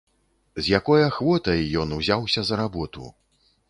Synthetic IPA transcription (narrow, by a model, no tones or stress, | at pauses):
zʲjakɔjɐxvɔt̪ɐjːɔnuzʲawsʲɐzɐɾabɔt̪ṵ